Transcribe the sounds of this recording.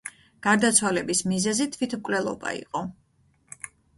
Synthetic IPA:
ɡ̥aɾd̪at̪sʰwalɛbismizɛzit̪ʰvwit̪ʰmkʼlɛlˠɔ̰ba̰ḭqʼɔ

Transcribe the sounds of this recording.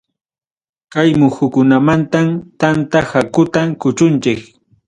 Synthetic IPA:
kajmʊxʊkʊnamant̪amt̪ant̪ahakʊt̪akʊt͡ʃʊnt͡ʃɪk

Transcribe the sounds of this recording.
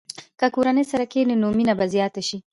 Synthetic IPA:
kakuɾanesɐɾakeːnenoːminabazijaːt̪aʃi

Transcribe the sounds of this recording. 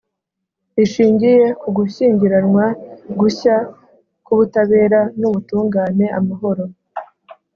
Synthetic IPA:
iʃiːɲɟije̞kuɡuɕiːɲɟiɾanŋwaɡuça | kuβutaβe̞ːɾanuβutuːŋɡaːne̞ʔamaɦo̞ɾo̞

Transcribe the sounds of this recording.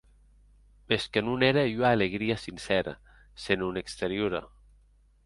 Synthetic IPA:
meskənuneɾeiuaːleɣɾiəsinsɛɾə̰ | senunekst̪eɾjuɾə̰

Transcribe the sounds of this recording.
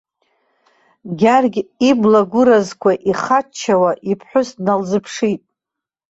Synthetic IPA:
ɡʲarɡʲiblaɡʷʊɾazkʷaʔiχat͡ʃʰːawaʔipʰħʷʊsdnalzɨpʰʂitʼ

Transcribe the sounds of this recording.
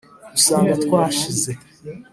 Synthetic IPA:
dusaːŋɡatkwaːʃize

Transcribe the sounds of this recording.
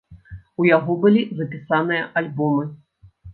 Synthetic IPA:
ujaɣɔbɨlʲizɐpʲisanɨjɐʔalʲbɔmɨ

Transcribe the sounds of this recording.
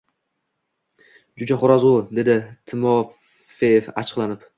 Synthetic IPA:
d͡ʒʊd͡ʒaχʊɾazʊd̪e̞d̪ɪt̪ʰɪmɒ | fejefa̰t͡ʃʰɨ̥qlˠanɪp

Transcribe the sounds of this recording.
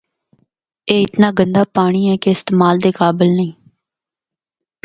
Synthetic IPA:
eːɪt̪naːɡənd̪aːpaːɽ̃iːɛːkeɪst̪eːmaːld̪eːkaːbɪlnəĩː

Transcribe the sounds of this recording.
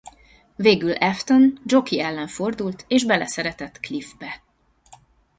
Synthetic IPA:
veːɡylɛft̪ond͡ʒo̞kiɛlːɛɱfo̞rd̪ult̪eːʒbɛlɛsɛɾɛt̪ɛt̪klifbɛ

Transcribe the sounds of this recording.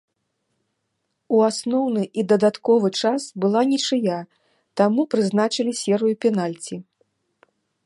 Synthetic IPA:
uasnɔwnɨʔid̪ɐd̪at̪kɔvɨt͡ʂasbɨlˠanʲit͡ʂɨja | t̪amupɾɨznat͡ʂɨlʲisʲɛɾɨjupʲɛnalʲt͡sʲi

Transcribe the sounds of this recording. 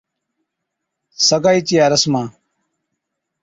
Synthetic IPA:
sɐɡaːit͡ɕijaːɾɐsmãː

